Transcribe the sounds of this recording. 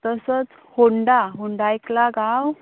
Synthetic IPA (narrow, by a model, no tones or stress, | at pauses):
t̪əsət͡s | hoɳɖaɦoɳɖajklaɡaw